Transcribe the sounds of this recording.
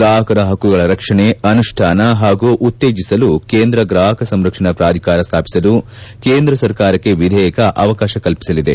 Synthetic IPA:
ɡɾaːɦɐkɐɾɐɦɐkːuɡɐɭɐɾɐkʂɐɳeɐnuʂʈʰaːnɐɦaːɡuʔut̪ːeːd͡ʒisɐlukeːnd̪ɾɐɡɾaːɦɐkɐsɐmɾɐkʂɐɳɐpɾaːd̪ʱikaːɾɐst̪ʰaːpi̥sɐlu | keːnd̪ɾɐsɐɾkaːɾɐkːe̞ʋid̪ʱɛːjɐkɐʔɐʋɐkaːʃɐkɐlpi̥sɐlid̪e̞̰

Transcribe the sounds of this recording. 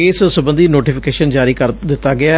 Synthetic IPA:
eːssʊbənd̪iːnoːʈiːpʰɪkeːʃənd͡ʒaːɾiːkəɾd̪ɪt̪ːaːɡɪaː

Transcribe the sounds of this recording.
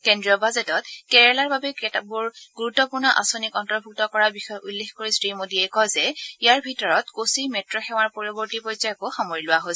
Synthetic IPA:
kendɹiɔbazɛtɔt̚kɛɹalaɹbabɛkɛtabʊɹɡ̥uɹutːɔpuɹnɔʔa̰sonikɔntɔɹbʱuk̚tɔkɔɹabixɔjʔulːexkoɹisɹimodiɛkɔjzɛijaɹbʱitɔɹɔtkosimɛtɹɔxɛw̃aɹpɔɹɔbɔɹtipɔjzɔakoxamoɹilʊwaɦojs

